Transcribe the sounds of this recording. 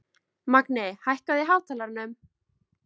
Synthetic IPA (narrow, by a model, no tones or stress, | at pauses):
maknɪhajhkaðɪɦaːwt̪ʰaːlaɾnʏm